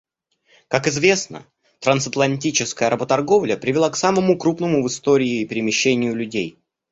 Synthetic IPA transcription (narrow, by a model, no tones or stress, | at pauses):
kakɨzvʲe̞snə̰ | t̪ɾɐnsɐt̪lˠɐnʲtʲit͡ɕɪskəjəɾəbət̪ɐrɡo̞vlʲəpɾʲɪvʲɪlˠaksaməmʊkɾupnəmʊvɨst̪oɾʲɪːɪːpʲɪɾʲɪmʲɪɕːenʲɪjʊlʲʉdʲej